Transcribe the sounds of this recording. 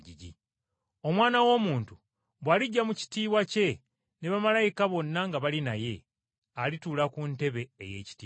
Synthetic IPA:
ɟiɟḭ | o̞mwaːnawo̞ːmuːntu | βwaːliɟːamuci̥tiːβwace̞ | neβamalajikaβo̞nːaŋɡaβalinaje̞ | alituːlakunte̞βe̞ːjeci̥tiː

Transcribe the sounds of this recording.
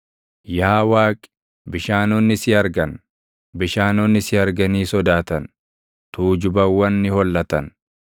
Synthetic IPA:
jaːwaːkʼɪ̥ | bɪʃaːnonːɪsɪɐɾɡɐn | bɪʃaːnɔnːɪsɪɐɾɡɐniːsɔd̪aːt̪ɐn | t̪uːd͡ʒʊbɐwːɐnːɪhɔlːɐt̪ɐn

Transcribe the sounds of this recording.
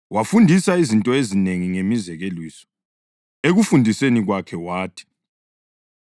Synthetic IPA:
wafundʱisaizintʼɔezineŋiŋemizɛɣelwiːsɔ̥ | eɣufundʱiseniɣwakʰɛwaːtʰi̥

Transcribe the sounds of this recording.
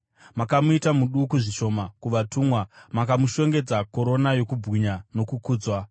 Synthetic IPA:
makamuitamuɗukuʐiʃo̞ːmakuʋatuːmwamakamuʃo̞ŋɡe̞d͡zako̞ɾo̞najo̞kubɣiɲano̞kukuːd͡zwa

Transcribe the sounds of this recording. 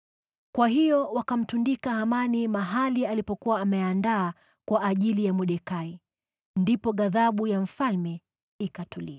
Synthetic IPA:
kwaɦijɔwakam̩tundikahamanimaɦalialipɔkuwaːmɛandaː | kwaʔːʄilijamuɗɛkai | ndipɔɠaðaɓujam̩falmɛ | ikatulḭa

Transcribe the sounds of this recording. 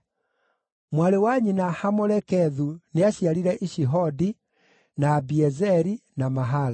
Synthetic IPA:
mwaɾewaɲinahamɔɾɛkɛðuneaɕiaɾiɾɛʔiʃiɦɔdi | naːbiɛzɛɾinamaɦala

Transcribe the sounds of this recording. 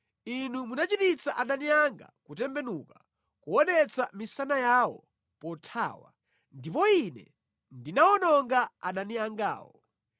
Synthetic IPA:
inumunat͡ʃitit͡saʔaɗaniaŋɡa̰kutɛmbɛnuka | kuɔnɛt͡samisanajawɔ̰ | pɔtʰa̰ːwa̰ | ndipɔinɛ̰ | ndinaɔnɔŋɡaa̰ɗaniaŋɡa̰ːwɔ

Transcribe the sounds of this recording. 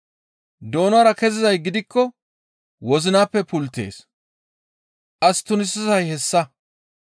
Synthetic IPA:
d̪o̞ːnwaːɾɐkɛzɪzɐjɡɪd̪ɪkːɔ | wɔzɪnaːpːɛpʊlt̪ːḛːs | ʔɐst̪ʊnɪsːɪzɐjhɛsːɐ

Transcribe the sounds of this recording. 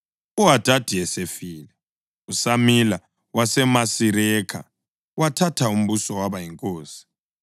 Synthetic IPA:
uɦad̥ʱad̥ʱiɛsefiːlɛ | usamila | wasɛmasiɾɛkʰa̰ | watʰatʰaum̩βusɔwaβajiŋkʼoːsi̥

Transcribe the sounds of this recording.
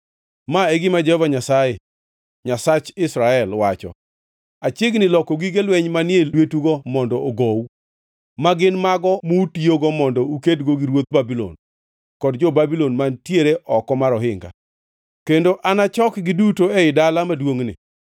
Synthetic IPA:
maeɡɪmad͡ʒɛhɔvaɲasaje | ɲasat͡ʃɪsɾaɛlwat͡ʃɔ̰ | at͡ʃeɡnɪlɔkoɡiɡelwɛɲmanɪɛwetuɡɔmɔndɔoɡow | maɡɪnmaɡɔmutioɡɔmɔndɔukedɡoɡɪɾwot̪̚babilɔ̰n | kɔdd͡ʒɔbabilonmantjeɾeʔɔkɔmaɾɔɦɪŋɡa̰ | kendoʔanat͡ʃɔkɡɪdutoeɪdalamadwoŋnɪ̰

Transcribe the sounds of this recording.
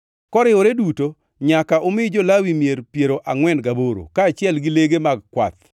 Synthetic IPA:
kɔɾɪwoɾeduto | ɲakaʔomɪd͡ʒɔlawimjeɾpjeɾoʔaŋwɛnɡaboɾo̰kaːt͡ʃɪɛlɡɪleɡemaɡ̚kwa̰t̪

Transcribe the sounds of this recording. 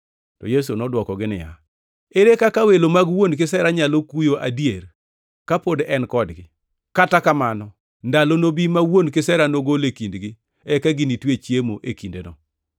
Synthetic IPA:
tɔ̰jes̬unɔdwɔkɔɡɪnɪ̰ja̰ | eɾekakawelomaɡwonk̬ɪsɛɾaɲalokujoʔadjer | kapodɛnkɔdɡɪ | katakamanɔ | ndalonobimawonkɪsɛɾanoɡolekindɡɪ | ɛkaɡinitwet͡ʃjemoʔekindḛnɔ

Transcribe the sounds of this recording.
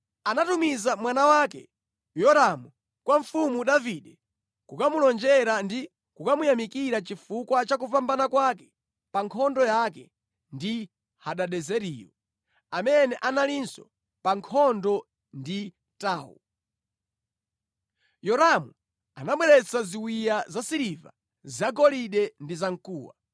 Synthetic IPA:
anatumizamwanawaːkɛ̰ | jɔɾamu | kwaɱfumuɗaviɗɛ | kukamulɔnd͡ʒɛɾandi | kukamujamikiɾat͡ʃifukwat͡ʃak̬upambanakwakɛ | paŋkʰɔndɔjakɛ | ndi | haɗaɗɛzɛɾiːjɔ̰ | amɛnɛʔanalinsɔ | paŋkʰɔndɔ | ndi | taːwṵ | jɔɾamu | a̰naɓwɛɾɛt͡saziwijazasiɾiva̰ | zaɡɔliɗɛndizaŋ̩kuːwa̰

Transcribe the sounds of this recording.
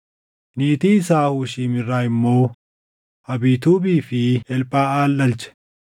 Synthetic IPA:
niːt̪iːɪsaːhuːʃiːmɪrːaːɪmːo̞ː | hɐbiːt̪uːbiːfɪɛlpʼaːaːlːɐlt͡ʃɛ̥

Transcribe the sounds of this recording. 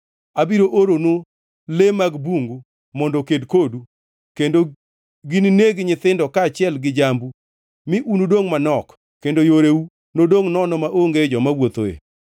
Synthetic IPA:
abiɾoʔoɾono | lemaɡbuŋɡu | mɔndokedkodu | kendo | ɡinineɡɲɪt̪ɪndɔkat͡ʃɪɛlɡɪd͡ʒambu | mɪʔunudoŋmanɔk | kendojoɾeu | nodoŋnɔnɔmaʔoŋɡed͡ʒɔmawot̪o̰ḛ

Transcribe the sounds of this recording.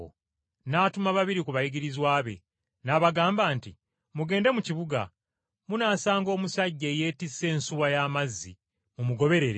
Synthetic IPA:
naːtumaβaβiɾikuβajiɡiɾizwaːβe̞̰ | naβaɡaːmbaːnti | muɡe̞ːnde̞muciβuɡa̰ | munaːsaːŋɡo̞ːmusaɟːe̞ːje̞ːtise̞ːnsuwajaːmazːḭ | mumuɡo̞βe̞ɾe̞ɾe

